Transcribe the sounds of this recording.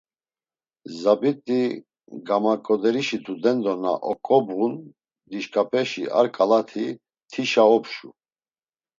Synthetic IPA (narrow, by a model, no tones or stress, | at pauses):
zabit̪ʼi | ɡamakʼɔd̪ɛɾiʃit̪ʰud̪ɛnd̪ɔna̰ʔɔkʼɔbʁun | d̪iʃkʼapʰʼɛʃḭa̰ɾkʼalat̪ʰi | t̪ʰiʃaɔpʃu